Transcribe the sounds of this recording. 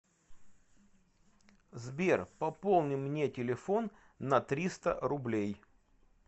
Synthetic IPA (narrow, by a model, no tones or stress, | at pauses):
zbʲerpɐpolˠnʲɪmnʲetʲɪlʲɪfo̞nː | ɐt̪ɾʲist̪ə̰ɾʊblʲej